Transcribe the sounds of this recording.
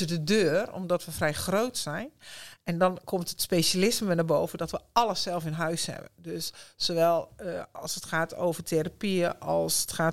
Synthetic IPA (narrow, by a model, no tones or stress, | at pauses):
ədədøːrɔ̰mdɔtʋəfrɛjxrowtsɛjnɛndɔnkʰomtətspejsalɪsməʋənaboːvədɔtʋəɑləsɛlˠfɪnɦœɥshɛ̰bə̰ndøssoːʋɛlˠɑlˠsətxaːtʰo̰wvətʰeɾapiəʔɔlˠsətxaː